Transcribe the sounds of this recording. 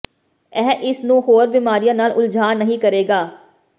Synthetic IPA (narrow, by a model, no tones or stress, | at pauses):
ɛːʔɪsnũːɦoːɾbiːmaːɾijãːnaːlʔʊld͡ʒʱaːnːəɦĩːkəɾeːɡaː